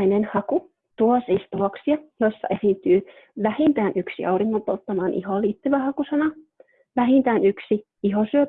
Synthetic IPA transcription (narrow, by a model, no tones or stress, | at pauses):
inenhɑku | t̪uosist̪uoksiɑjoisːɑ̰ʔesint̪yː | ʋæhint̪æːnʔyksḭʔɑwɾiŋːompolt̪ːɑmɑːnʔḭholːiːt̪ːyʋæhɑkusɑnɑ | ʋæɦint̪æːnyksi | iɦosyø